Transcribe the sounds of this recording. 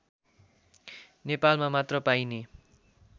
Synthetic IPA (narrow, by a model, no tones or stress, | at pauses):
nepalmamat̪rʌpajne